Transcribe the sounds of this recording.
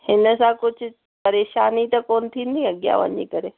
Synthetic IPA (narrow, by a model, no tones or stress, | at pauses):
hɪnəsãkʊt͡ʃʰʊ | pɐɾeːʃaːnit̪ɐkoːnt̪ʰiːnd̪iɐɠja̰ʋɐ̰ɲḭkəɾeː